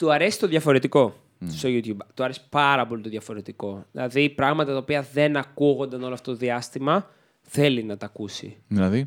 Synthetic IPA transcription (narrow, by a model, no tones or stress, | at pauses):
t̪uɐɾe̞si̥t̪o̞ðʝɐfo̞ɾe̞t̪iko̞ | st̪oʝut̪çubt̪uɐɾe̞si̥pɐɾɐpo̞lit̪oðʝɐfo̞ɾe̞t̪iko̞ðḭlɐðipɾɐɣmɐt̪ɐt̪ɐopiɐðe̞nɐkuɣo̞nd̪ɐno̞loɐft̪ot̪oðiɐst̪imɐ | θe̞linɐt̪ɐkusḭðilɐði